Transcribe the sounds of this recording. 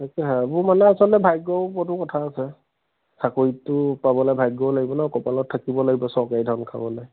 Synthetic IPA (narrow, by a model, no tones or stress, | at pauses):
akɛɦabumanɛasɔltɛbʱajɡɔbɔtʊkɔtʰaːsɛ | sakoɹitʊpabɔlajbʱajɡɔblaɡibɔnakɔpalɔtʰːakibɔlaɡibɔsɔkajdʱɔnkʰa̰bɔlaj